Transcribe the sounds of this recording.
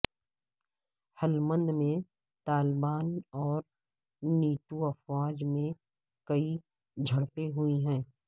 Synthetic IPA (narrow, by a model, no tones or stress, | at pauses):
həlmə̃nd̪mẽ | t̪aːlbaːnɔːɾ | niːʈuɐfwaːd͡ʒmẽ | kɐi | d͡ʒʱɐɽpeɦʊiɦɛ̃ː